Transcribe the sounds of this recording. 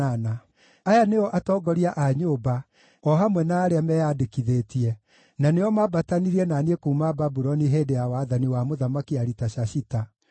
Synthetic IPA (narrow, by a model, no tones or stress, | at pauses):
ana | ajaneɔʔatɔːɡɔɾiaʔaɲoːba | ɔɦamwɛnaːɾeamɛjadekiðeːtiɛ | naneɔmabataniɾiɛnaniekuumababuɾɔniɦedejawaðaniwamoðamakiaɾitaɕaʃita